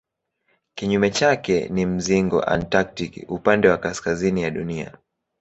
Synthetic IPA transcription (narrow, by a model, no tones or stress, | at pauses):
kiɲumɛt͡ʃakɛ̰nim̩ziŋɡɔ̰ʔa̰ntak̚tikḭupandɛwakaskazinijaɗunia̰